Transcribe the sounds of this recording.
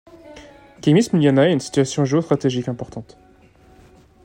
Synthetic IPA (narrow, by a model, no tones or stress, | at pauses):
kʲɛmismiljanaɛt̪ynsi̥t̪ɥasjɔ̃ʒeost̪χat̪eʒikɛ̃pɔʁt̪ɑ̃t̪